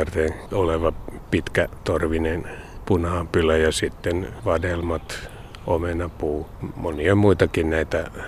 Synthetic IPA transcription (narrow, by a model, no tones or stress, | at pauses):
ɑrt̪enoleʋɑpit̪kæt̪orʋinen | punhɑːmpylæjɑsit̪ːenʋɑdelmɑt̪ | omenɑpuːmoniɑmuit̪ɑkinnæit̪æ